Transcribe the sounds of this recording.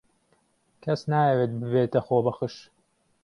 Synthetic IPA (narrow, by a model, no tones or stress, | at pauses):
kʰɐsnaːjɐweːt̪̚bɨbeːt̪ɐxoːbɐxɨʃ